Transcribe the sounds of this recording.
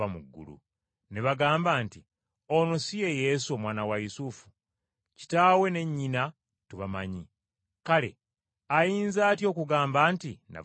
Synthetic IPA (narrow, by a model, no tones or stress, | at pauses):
amuɡːṵlṵ | neβaɡaːmbaːnti | onosije̞je̞suomwaːnawajusufu̥ | ci̥taːwe̞ne̞ɲːina | tuβama̰ɲi | kale̞̰ | ajiːnzaːtjo̞ːkuɡaːmbaːntina̰